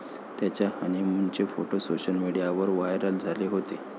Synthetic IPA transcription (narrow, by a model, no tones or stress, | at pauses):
t̪jat͡ɕjahəneməɳt͡ɕefoʈosoɕəlmiɽijaʋəɾʋajɾəld͡zʱaleɦot̪e